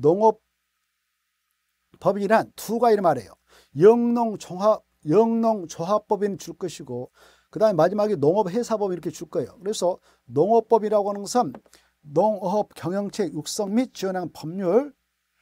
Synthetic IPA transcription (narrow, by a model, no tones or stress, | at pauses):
noŋʌp̚ | p͈ːʌbiɾantʰuɡaiɾmaɾe̞̰jo̰ | jʌŋnoŋoɦa | jʌŋnʌŋt͡ɕoɦap͈ʌbinɯnt͡ɕuɭk͈ʌɕʰiɡo | kɯdaɯmemad͡ʑimaɡenoŋʌpɦe̞sʰabʌbiɾʌkʰe̞t͡ɕuɭk͈ʌejo̰kɯɾe̞sʰʌ | noŋʌp͈ʌbiɾaɡoɦanɯnŋɡʌsʰɯn | noŋɦʌp̚kjʌŋjʌŋt͡ɕʰejuk̚s͈ʌŋmit̚t͡ɕiʌnanpʰʌmɲuɭ